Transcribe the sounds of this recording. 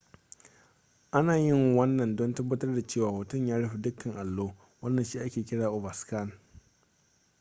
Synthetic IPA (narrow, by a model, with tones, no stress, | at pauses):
ʔa˦naː˨jɪ˦˨ŋwɐ˦nːɐ˨ndɔ˦ntɐ˦bːɐ˦tɐ˦rda˨t͡ʃeː˦˨waː˨wʊ˨tʊ˦ɲjaː˦ɽɐ˦ɸi˨dʊ˦kːɐ˨ŋʔa˨lːoː˦ | wɐ˦nːɐ˨nʃiː˦ʔa˦kʲeː˨kʲɪ˦ɽaː˨ʔʊ˨bɐ˨ska˦˨n